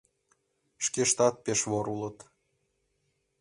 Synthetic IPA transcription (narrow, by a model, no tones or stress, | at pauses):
ʃkeʃt̪ɑt̪̚peʃβoɾulɤ̆t̪